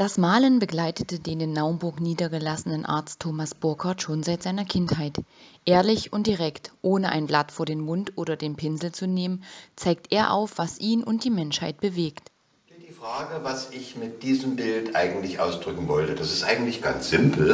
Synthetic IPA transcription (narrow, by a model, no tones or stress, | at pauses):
d̥asmaːlənbəɡlaɪtətədeːnɪnːaʊənbʊɐkniːdɐɡəlasənənʔa̰ɐt͡stʰːoːmasb̥ʊɐkʰaɐtʃoːnzaɪtz̥aɪnɐkʰɪnthaɪtʔeːɐlɪçʊnt̚d̥iʁɛktʔoːnəʔa̰ɪnblatfoːɐdeːnmʊntʔoːɾɐdeːnpʰɪnzl̩t͡suneːmənt͡saɪk̚tʔeːɐʔa̰ʊfv̥asʔiːnʔʊnt̚d̥iːmɛnʃhaɪt̚b̥əveːkt | iːdiːfʁ̥aːɡəvasɪçmɪt̚d̥iːzəmbɪltʔaɪɡŋ̩tlɪçʔaʊsd̥ʁʏkŋ̩vɔltəd̥asɪ̥stʔaɪɡŋ̩tlɪçɡ̥ant͡sz̥ɪmpl̩